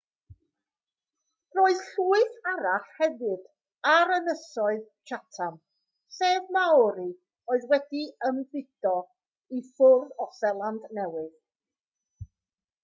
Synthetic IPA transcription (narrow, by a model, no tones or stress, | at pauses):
roːɨðɬuːɨθaɾaɬhɛvɨd | aɾənəsɔɨð | t͡ʃatʰam | seːvmawɾi | oːɨðwɛdiəmbɪd̥ɔ | ifʊrðɔsɛlˠandnɛwɨð